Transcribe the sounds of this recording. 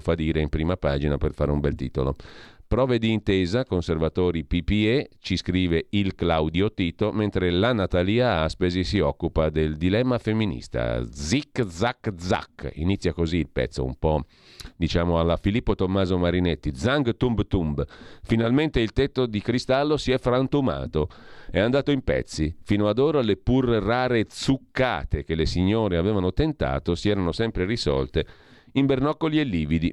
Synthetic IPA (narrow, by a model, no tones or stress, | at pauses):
fad̪iːɾeimpɾiːmapaːd͡ʒinaperfaːɾeumbɛlt̪ḭːt̪olo̰pɾɔːved̪iːnt̪eːzakonservat̪oːɾipipiet͡ʃiskɾiːveilklawd̪jot̪iːt̪oment̪ɾelanat̪aliːaaspezisiɔkːupad̪eld̪ilɛmːafemːinḭst̪a̰d̪zikd̪zakːd̪za̰kːḭnit̪sːjakoziːlpɛ̰t̪sːo̰ṵmpɔ | d̪it͡ʃaːmoalːafilipːot̪omːaːzomaɾinet̪ːid̪zaŋɡt̪umbt̪umbfinalment̪eilt̪ɛt̪ːod̪ikɾist̪alːosiɛfɾant̪uma̰ːt̪oɛand̪aːt̪oimpɛ̰t̪sːifiːnoad̪oːɾalepurraːɾet̪sukːa̰ːt̪ek̟elesiɲːoːɾeaveːvanot̪ent̪a̰ːt̪osiɛːɾanosɛmpɾerisɔ̰lt̪e | imbernɔkːolielːiːvid̪i